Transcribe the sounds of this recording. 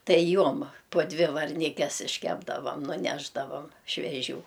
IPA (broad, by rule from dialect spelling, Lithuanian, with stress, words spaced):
ˈtɐɪ ˈjuɔm poː ˈdʲʋʲɪ ʋɐrʲˈnʲɪkʲɛs ɪʃʲˈkʲæːbdɐʋɐm nʊˈnʲæːʒdɐʋɐm ʃʲʋʲɛˈʒʲuː